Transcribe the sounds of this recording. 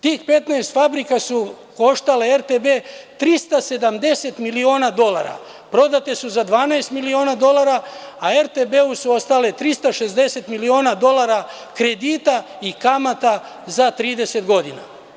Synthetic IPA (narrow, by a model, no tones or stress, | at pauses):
t̪iːxpe̞t̪naest̪fabɾikasu | ko̞ʃt̪aleeɾt̪ebe̞t̪ɾist̪ase̞d̪amd̪e̞se̞t̪milio̞ːnad̪o̞la̰ɾa̰ | pɾo̞d̪at̪esuzad̪ʋaːnaest̪milio̞ːnad̪o̞laɾaaeɾt̪ebeusuo̞st̪ale̞t̪ɾist̪aʃe̞zd̪e̞se̞t̪milio̞ːnad̪o̞lˠaɾa | kɾe̞d̪iːt̪a | ikamat̪a | zat̪ɾiːd̪e̞se̞t̪ɡo̞d̪ina̰